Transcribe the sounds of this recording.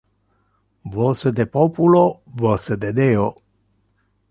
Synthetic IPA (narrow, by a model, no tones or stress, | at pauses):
vosəd̪epopulovosəd̪ed̪eo